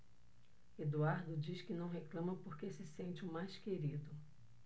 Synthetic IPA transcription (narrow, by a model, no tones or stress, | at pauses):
ed̪uaɾd̪ʊd͡ʒiʃkɪnɐ̃w̃ɦeklɐ̃mɐpoɾkesɪsẽnt͡ʃɪʊmajskeɾid̪ʊ